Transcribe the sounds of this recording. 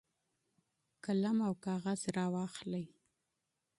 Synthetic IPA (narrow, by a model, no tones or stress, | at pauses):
kalamawkɑɣazɾɑwɑxləj